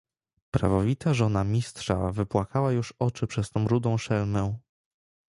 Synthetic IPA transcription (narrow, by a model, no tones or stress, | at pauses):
pɾa̰vɔvʲit̪aʐɔnamʲist̪ʂa̰vɘpwakawajuʂɔt͡ʂɘpʂɛst̪ɔ̃w̃ɾud̪ɔ̃w̃ʂɛlmɛ